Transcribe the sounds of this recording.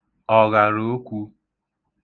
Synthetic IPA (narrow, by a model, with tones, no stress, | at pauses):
ɔ˨ɣa˨ɾo˨˦kʷu˦